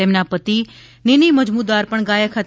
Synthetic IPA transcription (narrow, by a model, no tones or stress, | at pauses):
emnapət̪i | niniməd͡ʒmud̪aɾpəɳɡaːjakʰat̪